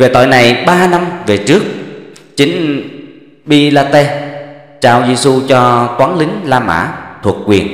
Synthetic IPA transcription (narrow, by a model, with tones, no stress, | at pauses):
ve˨˩t̪o̰ɔ̰˧˨jna˨˩jɓaː˧na˧mve˨˩t͡ɕɨ˦˥ək̚ | t͡ɕï˨˦ŋ̟ | ɓi˧laː˧t̪e˧ | t͡ɕaː˧wzi˧su˧t͡ɕɔ˧t̪waː˨˦nlï˨˦ŋ̟laː˧ma̰ː˧˥t̪ʰu˨˩k̚kwi˨˩ən